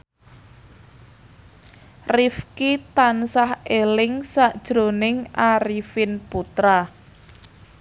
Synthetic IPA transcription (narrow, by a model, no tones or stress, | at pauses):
rifkit̪ansahelɪŋsaʔd̥ʒ̥ɾonɪŋʔaɾifɪnput̪ɾa